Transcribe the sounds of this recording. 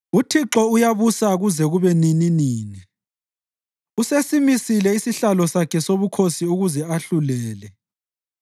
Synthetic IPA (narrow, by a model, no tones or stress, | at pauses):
utʰiǁɔujaβusaɣuzɛɣuβɛnininiːni | usesimisilɛisiɬalɔsakʰɛsoβukʰosiuɣuzɛaɬulɛːlɛ